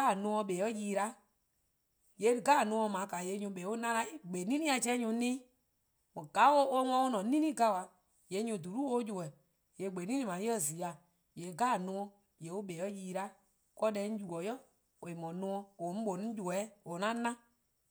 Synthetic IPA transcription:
a˦˨nũ˧˦ɔ̃˧ɓeː˨˦ɔ˦jiː˧˦ɾa˦ | je˨˦ɾɨ˨ɡaː˦˨nũ˧˦ɔ̃˧˨mã˨˦ka˨je˨˧˦ɲũ˧˦ɓe˨˦o˦nã˦la˧˦i˦ɡ͡be˨nĩ˦nĩ˦a˧t͡ʃɛ˦ɲũ˧˦nĩ˦ | mɔ̃˨ɡ̥a˨˦wo˦o˦ŋɔ̃˧˦o˦nɔ̃˨˦nĩ˦nĩ˦ɡa˧˨wa˧ | je˨˦ɲũ˧˨du˨ɾu˦o˧˦d͡ʒu˨ɛ˨ | je˨ɡ͡be˨nĩ˦ĩ˧mã˨˦ə˦˨zi˨˦a˨ | je˨ɡaː˦˨nũ˧˦ɔ̃˧ | je˨˦o˦ɓeː˨ɔ˦jiː˧˦ɾa˦ | kɔ˦dɛ˧˦ju˨ɔ˨jɔ˦ | o˨e˨mɔ̃˨˦nũ˧˦ɔ̃˧õ˨˦ɓo˨nĩ˦d͡ʒu˨ɛ˨˦o˨nã˦nã˦

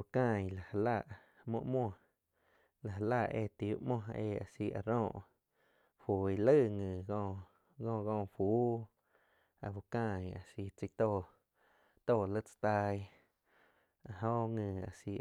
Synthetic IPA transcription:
u˧˨kãː˦˧˨jla˨ha˧la˦˧˨ʔ | mõ̰˧ʔmwɔ̃˧˨ | la˨ɦa˧la˦˨ʔḛː˧t̪i˨u˦ʔmɔ̃˦ḛː˧˨a̰˨si˧ʔa̰˧˨ɾõː˧˨ʔ | fu˨i˧lə˦˨ŋɨ̃˨ɡõː˧ | ɡõː˧˨ɡõː˧˨ɸu˦ | a̰˧˨fu˧kã˦˧˨ja̰˨si˧t͡si˧t̪o˧˨ | t̪oː˦˧˨lə˦t͡sḁ˧t̪a˧j | a˧˨ɦõ˦ŋɨ̃˧˨a̰˨si˧

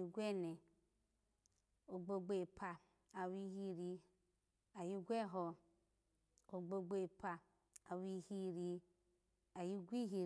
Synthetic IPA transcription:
i˧ɡʷe˦ne˨ | o˨ɡ͡bo˧ɡ͡be˦˨pʰa˧ | a˨wi˧˦hi˦ɾi˧ | a˨ji˦ɡʷe˦˨ɦɔ˨ | o˨ɡ͡bo˧ɡ͡be˦˨pʰa˨ | a˨wi˧hi˦ɾi˧ | a˨ji˦ɡʷi˦ɦi˨

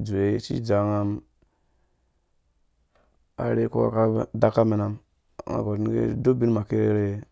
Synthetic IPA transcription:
d͡ʒu˨e˨˦t͡ʃḭ˦d͡ʒa˨ŋa˦m | a̰˨ɾe˦ko̰˦a̰˦ka˦˨da˦kːa˦mi˨na˦m˨ | ŋa̰˨ɡo˨ɾi˦n˦ɡḛ˦do˦bi˦n˦ma˨ke˦ɾe˦ɾe˦

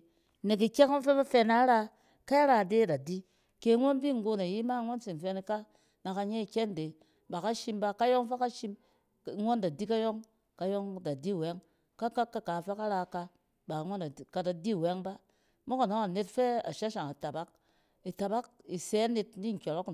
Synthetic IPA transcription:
ne˨k̬i˨ke˦ko˦nfe˦ba˦fe˦na˦ɾa˦ | ka˦i˦ɾa˦˨de˦˨da˨di˦ | ke˨˦ŋʷo˦nbi˦˨ŋ˨ɡo˦na˨ji˦ma˦ŋʷo˦nsi˨n˨fe˧˦ni˦ka˦ | na˨ka˧ɲe˦i˨kʲe˦nde˨ | ba˨ka˦ʃi˦mba˦ka˦jo˦ŋfe˦ka˦ʃi˦m˦ | ŋo˦nda˨di˦ka˦jo˦ŋ | ka˨jo˦ŋda˨di˦˨we˦ŋ | ka˦ka˦kːa˦ka˨fe˦ka˦ɾa˦ka˧ | ba˨˦ŋʷo˦n˨ka˨da˨di˦˨we˦ŋba˦ | mo˦ka˨no˦ŋa˨ne˦tfe˦a̰˨ʃa˦ʃa˨ŋa˨ta˨ba˦k̚ | i˨ta˨ba˦k̚i˨se˨˦ni˦tni˦ŋ̩˨kʲo˨ɾo˦k

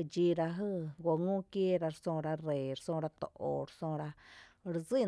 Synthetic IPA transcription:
d͡ʒi˧ɾa˧ɦɨ˦˧ɡʷo˧ŋũ˦kje˦ɾa˧ɾsõ˧ɾa˧re˨ɾsõ˧ɾa˧t̪o̰˨ʔo˨ɾsõ˧ɾa˧ | ɾzi˦˨

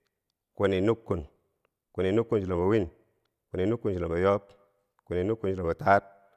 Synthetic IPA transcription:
ko˨ni˨nu˦kːu˨n | ku˨ni˨nu˦kːu˦n˨d͡ʒi˨la˨mba˨wi˦ɲ | ku˨ni˨nu˦kːu˦nd͡ʒi˨la˨ba˨jo˦p | ku˨ni˨nu˦kːu˦nd͡ʒi˨la˨mba˨ta˦t̚

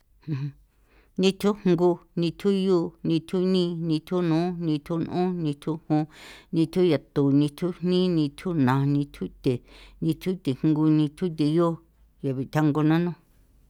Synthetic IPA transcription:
hũ˧˨˧ | nĩ˧t̪ʰu˦hŋɡu˧nĩ˧t̪ʰu˦juː˦nĩ˧t̪ʰu˦nĩ˦˧nĩ˧t̪ʰu˦nũː˨˦nĩ˧t̪ʰu˦n˧ʔũ˦nĩ˧t̪ʰu˦hũ˧nĩ˧t̪ʰu˦ja˨t̪u˨nĩ˧t̪ʰu˦n̥nĩ˦nĩ˧t̪ʰu˦nã˨nĩ˧t̪ʰu˦t̪e˨nĩ˧t̪ʰu˦t̪e˨ŋŋɡu˧nĩ˧t̪ʰu˦t̪̬e˧jo˦ | ja˨βi˨t̪ʰa˦ŋɡo˧nã˦nũ˦

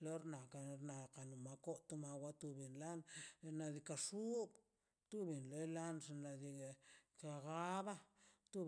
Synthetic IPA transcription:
lo˦ɾna˨ka˨ɾna˨ka˨nu˨ma˧ko˦t̪u˦ma˧wa˦t̪u˧bi˨nla˦n˧na˧d̪i˧ka˧ʂu˦b | t̪u˦bi˨nlo˨˦jla˦nʐe˧na˧d̪i˧ka˧ɡa˦ba˦t̪u˦

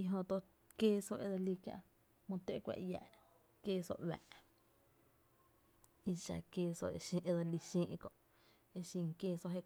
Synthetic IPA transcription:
i˧ɦõ˧t̪o˧ʔ | keː˦so˧ʔe˧d̪o˧li˧kjã̰˧ʔ | mũ˧t̪e˦˧˨kʷa̰˧ʔja̰˧˨ʔ | keː˦˧so̰˧ʔwa̰˨ʔ | i˧ʃa̰˧˨keː˧so̰˧˨e˧ʃĩ˧ʔe˧d̪o˧li˧ʃĩː˦˧ʔkõ˧˨ʔ | e˧ʃĩ˧ŋkeː˧so˧ʔɦe˦˧

